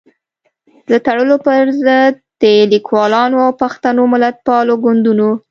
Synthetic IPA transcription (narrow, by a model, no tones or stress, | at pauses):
d̪ət̪aɽəlopəɾzəd̪̚ːəlikwɑlɑnoawpaxt̪anomɪlat̪̚pɑloɡʊnd̪uno